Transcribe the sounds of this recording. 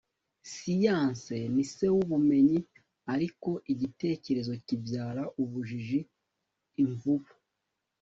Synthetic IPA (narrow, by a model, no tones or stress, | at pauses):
sijaːnse̞nise̞wuβume̞ɲi | aɾiko̞ʔiɟite̞ːce̞ɾe̞zo̞cibjaːɾaʔuβuʒiʒiː | ɱvuβu̥